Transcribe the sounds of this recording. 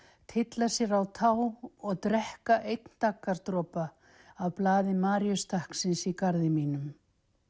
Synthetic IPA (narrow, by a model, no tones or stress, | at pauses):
t̪ʰɪt̪lasjɛɾawt̪ʰaːwɔɣt̪ɾɛhkaʔejt̪nt̪akːaɾt̪ɾɔːpaː | wplaːðɪmaːɾjʏst̪ahksɪnsikaɾðɪmiːnʏm